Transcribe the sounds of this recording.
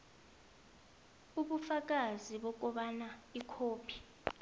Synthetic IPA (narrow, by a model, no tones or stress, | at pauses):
uɓufak̬ʼaziɓɔk̬ɔɓanaikʰoːpʰi̥